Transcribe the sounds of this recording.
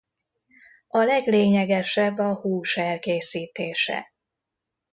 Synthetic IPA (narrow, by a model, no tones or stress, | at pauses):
ʔɒlɛɡleːɲɛɡɛʃɛbːɒhuːʃɛlkeːsiːt̪eːʃɛ̰